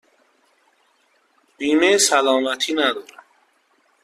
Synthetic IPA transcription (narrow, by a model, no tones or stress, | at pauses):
b̥iːmesælɔːmæt̪ʰiːnæd̪ɔːɾa